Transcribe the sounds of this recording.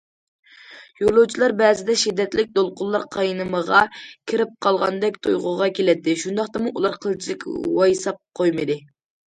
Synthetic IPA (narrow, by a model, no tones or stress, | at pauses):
jolˠuwt͡ʃʰilˠɑɾbɛːzɪd̪ɛʃid̪ːɛt̪lɪk̚ʲd̪olˠqʊlˠːɑɾqʰɑjnɨməʁɑkʲʰiɾɪp̚qʰɑlˠʁɑnd̪ɛkʲt̪ʰo̰jʁʊʁɑkʲʰelɛt̪ʰːɪʃund̪ɑχt̪ɑmuʔulˠɑɾqʰəlˠt͡ʃʰilɪkʲwɑjsɑp̚qʰojmɨd̪ɪ